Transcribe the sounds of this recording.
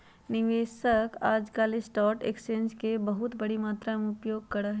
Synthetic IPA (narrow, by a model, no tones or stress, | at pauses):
nɪʋeːʃəkaːd͡ʒkaːlesʈɔːɾʈḛːksẽːnskebɐɦʊt̪bɐɽimaːt̪ɾameʊpjoːɡ̚kɐɾəɦ